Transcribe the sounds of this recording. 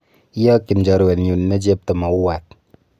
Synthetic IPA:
i˦ja˦ki˨n˨d͡ʒɔ˨ɾwe˨n˨ju˨nː˦a˦d͡ʒe˦p̚tə˨ma˨u˦wa˨t̚

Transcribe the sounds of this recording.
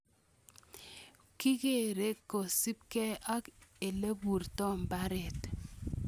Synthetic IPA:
ki˦ke˦˨ɾe˦ko˨si˦p̚kɛ˦a˦ke˨le˦bu˨ɾtɔ˦mba˦ɾɛ˨t

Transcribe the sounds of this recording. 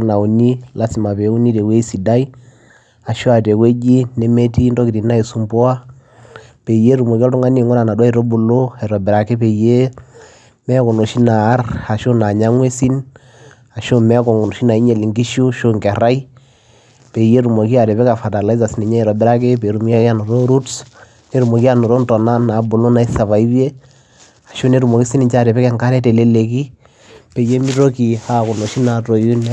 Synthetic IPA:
na˨u˨ni˦la˦si˨ma˨pe˨˦u˦ni˦te˨we˦si˨da˦i˦ | a˨ʃo˦a˨te˨kwe˦d͡ʒi˦ne˦me˦ti˦ndɔ˦ki˨ti˨na˦e˨su˨mbɔ˦a˦ | pe˨je˦ɾu˨mo˨ki˦ɔ˦tu˦ŋa˦ni˦˨ŋɡɔ˦na˨na˨dwa˦i˨ɾo˦bu˨lo˦ɛ˨ɾɔ˨bɪ˨ɾa˨ke˦pe˨je˦ | mɛ˦kɔ˨no˨ʃi˦naː˨˦ra˨ʃo˦na˨ɲa˦ŋwe˦si˦n | a˨ʃo˦mɛ˦ko˨ŋo˨no˨ʃi˦na˨i˦ɲe˨li˨ŋɡi˦ʃu˦ʃo˦ŋkɛ˨ɾa˦i˦ | pe˨je˦ɾu˨mo˨ki˦a˨ɾe˨βe˦ka˨fa˨ta˨la˦i˦za˨si˦ni˨ɲɛ˦i˨ɾɔ˨bɪ˦ɾa˦k̬e˦pe˨ɾu˦mi˦ki˦a˦˨no˨ɾo˦ɾu˦ts | ne˦ɾu˨mo˨ki˦a˦˨no˨ɾo˦ntɔ˨na˦na˨˦bo˨lo˦na˨i˦sa˨βa˨i˦be˦ | a˨ʃo˦ne˦ɾu˨mo˨ki˦si˦ni˨ɲt͡ʃa˦˨ɾe˨pɛ˦kɛ˨ŋka˦ɾɛ˦te˨le˦le˨ki˦ | pe˨je˦mi˦ɾo˦ki˨a˦ko˨no˨ʃi˦na˨to˨ju˦n˦

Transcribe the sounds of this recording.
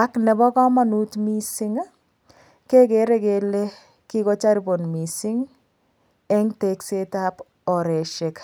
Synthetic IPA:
a˦knɛ˨bɔ˦kɔ˦ma˨nutmisɪ˦ŋ | ke˦ke˨˦ɾe˦ke˨le˦ | ki˦kɔ˦t͡ʃa˦ɾibo˨nmi˨siŋ | ɛ˦ŋtekse˦tap | ɔ˨ɾe˨ʃe˨k

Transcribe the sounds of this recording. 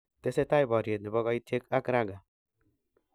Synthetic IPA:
te˦se˦ta˦jbɔ˨ɾje˨t̚nɪ˨bɔ˦ɡɔ˦i˦tʰe˦ka˦kɾa˦ɡa˨

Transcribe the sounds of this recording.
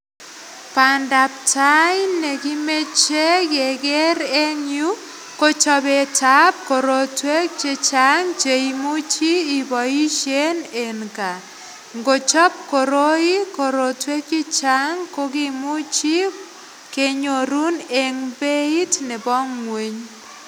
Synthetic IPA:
pa˨nda˨p̚ta˦jnnɛ˨ki˦me˦t͡ʃe˦ɡɛ˨ɡɛ˦ɾe˦ɲju˦ | ko˦t͡ʃɔ˦be˨ta˦p̚ko˨ɾo˨twe˦k̚t͡ʃɪ˦t͡ʃa˦ŋt͡ʃe˨imu˦t͡ʃiː˦˨bɔ˨i˦ʃe˦ne˨nka˨ | ŋɡo˨t͡ʃɔ˦p̚ko˨ɾo˦i˦ko˨ɾo˨twe˦kɪ˦t͡ʃa˦ŋko˦ki˦mu˦t͡ʃi˦ | ke˦ɲo˨ɾu˦ne˨ŋbe˦i˦tnɛ˨bɔ˦ŋːwe˦ɲ

